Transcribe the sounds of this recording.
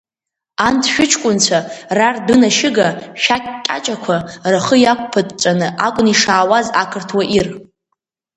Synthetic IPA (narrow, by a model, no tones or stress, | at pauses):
antʰʃᶣʊt͡ʃʰkʷʼʊnt͡ʃʷʰarardɨnaʃɪɡaʃᶣakʼkʲʼːa̰t͡ʃʼakʷʰaraχəjakʷʰʼpʰɨtʼt͡ʃʷʼanɨʔakʷʼʊniʂaːwazakʰɨrtʰwaʔir